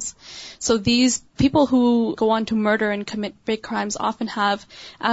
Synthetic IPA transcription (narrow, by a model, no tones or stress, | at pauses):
z̥soʊðiz̥pʰipl̩ˠɦuɡ̥oʊə̃ntʰɨmɜ˞ɾə˞ɨ̃nkʰɨmɪt̚b̥ɹeɪkʰɹ̥ãɪ̃mzɑ̰fɨ̃n̩əvʔə